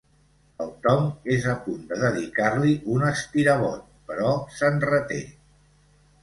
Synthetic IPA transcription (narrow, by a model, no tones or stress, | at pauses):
əlˠt̪ɔmezəpund̪əðəðikarliʔunəsp̪iɾəβɔt̪̚pəɾɔsənrət̪ḛ